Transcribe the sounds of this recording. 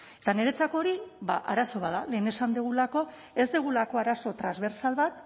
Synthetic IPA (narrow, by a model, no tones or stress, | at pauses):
et̪ane̞ɾe̞t͡sako̞ɾibaʔaɾaso̞β̞aðale̞ːne̞sand̪eɣulako̞ | e̞zd̪eɣ̞ulako̞aɾaso̞t̪ɾanzβe̞ɾsalβat̪